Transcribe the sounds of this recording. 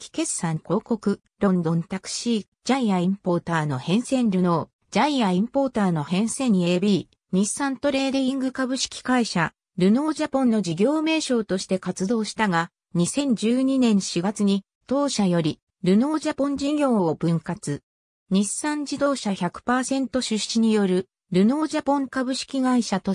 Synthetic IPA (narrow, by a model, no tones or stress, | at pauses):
kʲi̥ke̞sãŋko̞ːko̞kɯ̟ | ɾõ̞nd̪õ̞nt̪akɯ̟̥ɕiː | d͡ʑaiaĩmpo̞ːt̪aːno̞hẽ̞ɰ̃sẽ̞nɾʲɯ̟no̞ː | d͡ʑaiaĩmpo̞ːt̪aːno̞hẽ̞ɰ̃sẽ̞ɲ̟ːiebʲiː | ɲ̟isãnt̪o̞ɾe̞ːd̪eĩŋɡɯ̟kabɯ̟ɕi̥kʲi̥kaiɕa | ɾɯ̟no̞ːd͡ʑapõnːo̞d͡ʑiɡʲo̞ːme̞ːɕo̞ːt̪oɕi̥t̪e̞kat͡sɨd̪o̞ːɕi̥t̪aɡa | ɲ̟isẽ̞ɲ̟d͡ʑɨːɲ̟inẽ̞ɰ̃ɕiɡat͡sɨɲ̟i | t̪o̞ːɕajo̞ɾʲi | ɾɯ̟no̞ːd͡ʑapõ̞ɲd͡ʑiɡʲo̞ːobɯ̟̃ŋkat͡sɨ | ɲ̟isãɲ̟d͡ʑid̪o̞ːɕaçakɯ̟̥paːsẽ̞nt̪o̞ɕɨɕiɲ̟ijo̞ɾɯ̟ | ɾɯ̟no̞ːd͡ʑapõ̞ŋkabɯ̟ɕi̥kʲiɡaiɕat̪o̞